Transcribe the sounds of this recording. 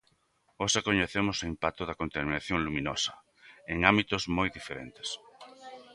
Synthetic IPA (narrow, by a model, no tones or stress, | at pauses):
osakoɲeθemʊsoimpak̚t̪oðɐkont̪amĩnaθjoŋlumĩnosɐ̥ | eŋambit̪ʊzmojðifeɾḛnt̪e̥s